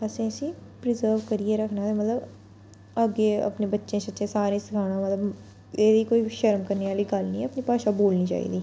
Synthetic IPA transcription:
əsĩːəsĩːpɾɪzəːɾʋkəɾieːɾəkʰnaːt̪eːmət̪ləb | əɡeːə̰pneːbətːʃẽːsətːʃẽːsaːɾẽːsɪkʰaːɽaːmət̪ləb | eːd̪iːkoːiːʃəɾmkəɾniːʋaːliːɡəlnĩːəpnĩːpaːʃaːboːlniːt͡ʃa̰ːḭːd̪iː

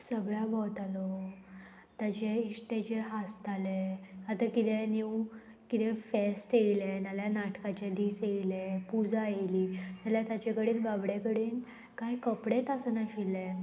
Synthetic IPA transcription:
səɡɭjabɔt̪alɔ | t̪jat͡ɕeisʈed͡ʑəɾɦast̪ʰaleat̪akit̪ɛ̃niw | kit̪ɛ̃fesʈ̪ejilɛnaljanaʈkat͡ɕed̪iːsejlɛpud͡zaeliːt̪aljat̪jat͡ɕekəɽiːnʋabɽekəɽiːn | kajkəpɽet̪asənaɕilɛ

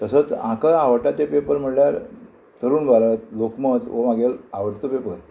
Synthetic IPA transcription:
t̪əsət͡sã̰kəaʋəʈat̪epepəɾm̤əɽljaɾ | t̪əɾuːnbalət̪̚lokmət͡sʋəmaɡelaʋəʈt̪opepəɾ

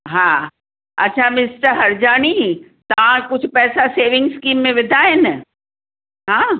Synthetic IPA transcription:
ɦãː | ɐtːʃʰamɪsʈəɾɦɐɾd͡ʑaːnit̪ɐʋãkʊd͡ʑʱʰpɛːsaseːʋɪ̃ŋɡskiːmːẽʋɪd̪ʱaːɦɪn | ɦãː

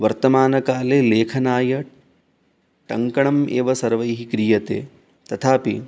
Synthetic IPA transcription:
ʋɐɾt̪ɐmaːnɐkaːleːleːkʰɐnaːjɐ | ʈɐŋkɐɳɐmeːʋɐsɐɾʋɐjɦikɾijɐt̪ḛː | t̪ɐt̪ʰaːpḭ

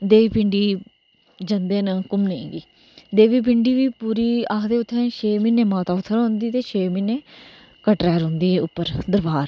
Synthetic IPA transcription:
d̪eːiːpɪɳɖiː | d͡ʒənd̪eːnãːkʊmnẽĩːɡiː | d̪eːʋiːp̬ɪɳɖiːʋiːpuːɾiːaːkd̪eːʊt̪ʰːẽʃʰeːmɪnːẽːmãːt̪aːʊt̪ʰːəɾɦʊ̃nd̪iːt̪eːt͡ʃʰeːmɪnẽː | kəʈɾɛːɾɦʊ̃nd̪iːeːʊpːəɾd̪əɾbaːɾ

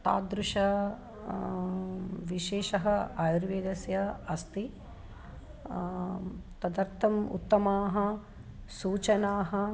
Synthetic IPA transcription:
t̪a̰ːd̪ɾuʂɐ | ʋiʃeːʃɐɦɐaːjuɾʋeːɡ̪ɐsjɐɐst̪i | t̪ɐd̪ɐɾt̪ʰɐmṵt̪ːɐmaːɦɐ̆ | suːt͡ʃɐnaːɦɐ̆

